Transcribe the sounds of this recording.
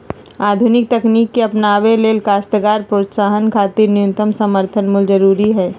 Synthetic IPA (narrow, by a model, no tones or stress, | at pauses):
aːd̪ʱunɪk̚t̪ɐkniːkːeɐpnaːʋeleːlkaːst̪ɡaːɾpɾoːt̪saːɦənkʰaːt̪iːɾnɪjʊ̃nt̪əmsəməɾt̪ʰənmʊld͡ʒɐɾuːɾiɦɛː